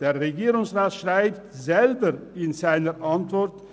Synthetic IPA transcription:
d̥eːɐʁeɡiːʁʊŋsʁaːtʃʁ̥aɪptzɛlbəɪnzaɪnəʔantv̥ɔʁt

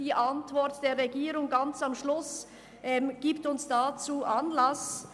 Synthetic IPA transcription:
iːʔantv̥ɔʁtd̥eːɐʁʁeɡiːɾʊŋɡant͡samʃlʊs | ʔɛmɡ̥iːptʊnsd̥aːt͡suːʔanlas

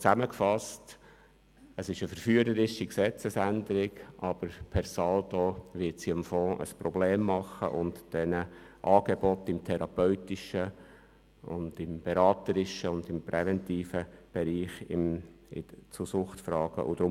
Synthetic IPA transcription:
t͡sæməkfɑst | əsɪʃəfəɾfyəɾəɾɪʃiksɛt͡səsænd̪əɾɪɡʔɑb̥əɾpʰɛɾsɑldoʋɪtsiəmfɔ̃ːʔə̰spɾɔbleːmːɑχə̰ʔʊntd̥ɛnə | ʔɑːɡebɔt̪ɪmt̪ʰɛɾɑpœʏtɪʃə | ʊ̰nd̥ɪmb̥ɛɾɑːt̪əɾɪʃəʊnd̪ɪmpɾɛʋɛntiːfəb̥ɛɾiːχɪ̰mɪ̰t͡susʊχtfɾɑːɡ̥ə̰ʔʊ̰d̥̪ɾʊ

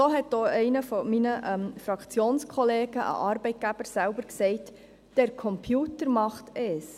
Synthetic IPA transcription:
soːɦɛtdoːɛɪnəfɔminəʔɛmfɾɑkt͡sjoːnskʰχɔleːɡəʔə̰ʔɑɾbɛɪt̚ɡ̥æb̥əɾsælbəɾksɛɪt | d̥ɛɾkʰɔmpʰjuːtəɾmɑχtɛːs

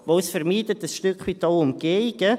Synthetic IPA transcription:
ʋoːsfɛɾmiːdətəsʃtʏkχʋiːtɔʊmɡ̥eɪɡ̥ə

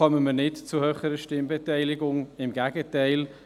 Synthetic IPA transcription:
œməmənɪtt͡sʊhøːχəɾəʃtɪmbɛtɛɪlɪɡʊŋɪmɡæɡətɛɪl

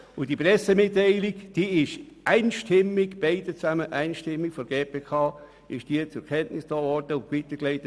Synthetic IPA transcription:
ʊd̥ipɾɛsemɪtːæɪlɪkd̥iːɪʃ | ʔæɪnʃtʰɪmːɪɡb̥eɪd̥ət͡sæməʔæɪnʃtɪmːikfɔɡ̥eːpʰeːkʰɑː | ɪʃd̥iət͡sʊɾkʰɛntnɪsd̥oːvɔɾd̥əʊʋitəkleɪt

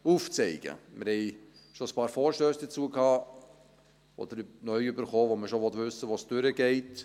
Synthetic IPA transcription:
uːft͡sɛɪɡ̥ə̰mɪɾhɛɪ | ʃoəspɑːɾfɔːɾʃtøːsd̥ət͡suəkhɑː | ʔɔ̰d̥̪əɾnœʏybəɾχoːʋoməʃoʋɔtʋʏsːəʋosd̥øɾəɡɛɪt

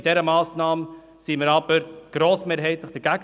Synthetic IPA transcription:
d̥ɛɾəmɑːsnɑːm | siməɾɑb̥əɾɡ̥ɾoːsmeːɾɦɛɪt̪ləχd̥əɾɡæɡ

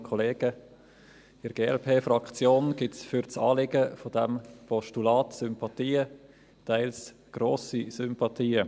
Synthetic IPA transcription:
kʰɔleːɡ̥ə | ɪɾɡeːɛlpʰeːfɾɑkt͡sjoːnɡ̥ɪtfʏɾt͡sɑːlɪɡəfod̥ɛmpʰɔʃtulɑːtsʏmpɑtiːə | tʰaɪls | ɡ̥ɾoːsisʏmpɑt̪ʰiːə

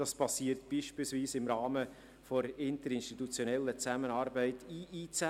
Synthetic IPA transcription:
d̥ɑspɑsiːəɾtb̥iːʃpilsviːsɪmɾɑːmə | fɔɾɪntəɾɪnʃtitut͡sjonɛlːət͡sæmənɑːɾbɛɪtʰiːiːt͡sæ

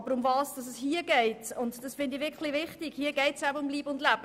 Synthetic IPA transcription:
b̥əɾʊmvɑːsd̥ɑsəshiːəɡɛɪtʊntd̥ɑsfɪndivɪkχlivɪχtɪɡ̥hiːəɡɛɪtsæbəʊmliːbəʊndlæb̥ə

